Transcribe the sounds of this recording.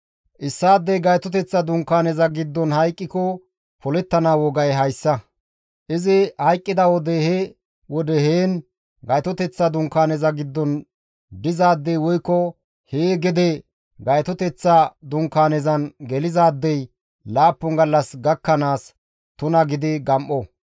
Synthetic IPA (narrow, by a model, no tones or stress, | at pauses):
ʔɪsːaːd̪ːɛjɡɐjt̪ɔt̪ɛt͡sːɐd̪ʊŋkːaːnɛzɐɡɪd̪ːɔnhɐjkʼːɪkɔ | pʰɔlɛt̪ːɐnaːwɔɡɐjɦɐjsːɐ | ʔɪzɪhɐjkʼːɪd̪ɐwɔd̪ɛhe | wɔd̪ɛheːn | ɡɐjt̪ɔt̪ɛt͡sːɐd̪ʊŋkːaːnɛzɐɡɪd̪ːɔn | d̪ɪzaːd̪ːɛjwɔjkːɔ | heːɡɛd̪ɛ | ɡɐjt̪ɔt̪ɛt͡sːɐd̪ʊŋkːaːnɛzɐnɡɛlɪzaːd̪ːɛj | laːpːɔŋɡɐlːɐsɡɐkːɐnaːs | t̪ʊnɐɡɪd̪ɪɡɐmʔɔ